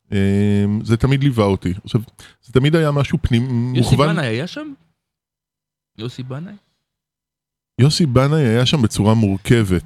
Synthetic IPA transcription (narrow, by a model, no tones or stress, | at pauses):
emzet̪amid̪livaot̪iaʃavz̥et̪amid̪ajamaʃupnimːuχvanajajaʃam | josibanaj | josibanajajaʃambet͡suʁamuʁkʰe̞ve̞t̪